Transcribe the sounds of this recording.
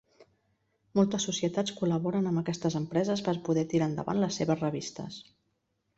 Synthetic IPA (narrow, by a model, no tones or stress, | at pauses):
mɔlˠt̪əsːusiət̪at͡skuləβɔɾənəmbəkɛst̪əzəmpɾɛzəspəɾpuðɛt̪iɾaənd̪ə̰βa̰nləsːeβəzrəβist̪ə̰s